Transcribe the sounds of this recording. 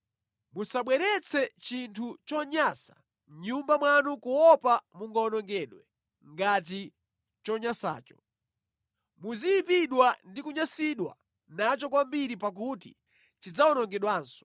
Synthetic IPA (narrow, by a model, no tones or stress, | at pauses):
musaɓwɛɾɛt͡sʰɛt͡ʃintʰut͡ʃɔɲaːsḁ | mɲumbamwanukuwɔpamuŋɡaɔnɔŋɡɛːɗwɛ | ŋɡat̬i | t͡ʃɔɲasa̰ːt͡ʃɔ̥ | muzijipiɗwandikuɲasiɗwa̰ | nat͡ʃɔk̬wambiɾipak̬utḭ | t͡ʃid͡zaɔnɔŋɡɛɗwaːnsɔ̥